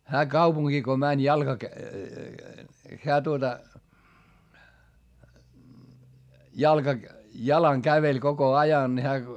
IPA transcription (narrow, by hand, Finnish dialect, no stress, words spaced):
hæː kɑupuŋɡ̊iː ko mænʲ jɑlkɑk heæ tuotɑ jɑlkɑ jɑlɑŋ kæʋelʲ koko ɑjɑn ni hæː